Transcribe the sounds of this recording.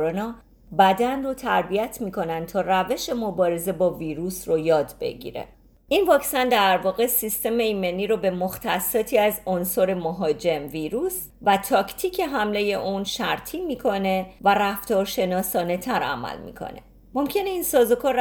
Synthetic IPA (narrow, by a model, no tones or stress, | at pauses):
ɾonɒː | bæd̪ænrot̪ʰæɾbijæt̪ʰmiːkʰo̞nænd̪̚t̪ʰɒːræve̞ʃe̞mo̞bɒːɾe̞ze̞bɒːviːɾusrojɒːd̪be̞̰ɟḭɾḛ | ʔinvɒːcsænd̪æɾvɒːɣe̞sist̪e̞me̞iːme̞niːɾobe̞moxt̪ʰæsːɒːt̪ʰiːæzonsoɾe̞moɦɒːd͡ʒe̞mviːɾuːs | væt̪ʰɒːcʰt̪ʰiːcʰe̞ɦæmle̞je̞ʔunʃæɾt̪ʰiːmiːkʰo̞ne̞væræft̪ɒːɾʃe̞nɒːsɒːne̞t̪ʰæɾæ̰mæ̰lmḭkʰo̰ne̞̰ | mo̞mcʰe̞ne̞iːnsɒːzokʰɒɾ